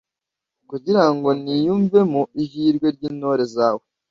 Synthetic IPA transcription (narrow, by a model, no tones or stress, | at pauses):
kuɟiɾaŋɡo̞nijuːɱve̞muiɦiːɾɡwe̞ɾɟiːno̞ɾe̞zaːwo